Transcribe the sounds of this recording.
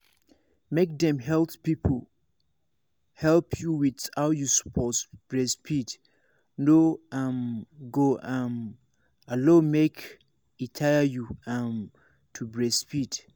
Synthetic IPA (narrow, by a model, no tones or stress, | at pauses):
mek̚dɛ̃mɦɛlppipʰol | hɛlpʰjuwiðhaʊjuspʰɔtb̥ɹɛspʰid | noamɡoam | alõnmek | itʰaɪajuam | tʰubɹɛspid